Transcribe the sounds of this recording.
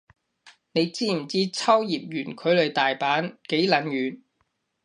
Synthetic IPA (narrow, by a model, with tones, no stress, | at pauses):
ne˨˧jt͡siː˥m̩˨˩t͡siː˥t͡sʰɐ˥wjiː˨p̚jyː˨˩nkʰɵ˨˧ɥlɵ˨˧ɥt̪aː˨jpaː˨˥nke˨˥jlɐ˨˥nɥyː˨n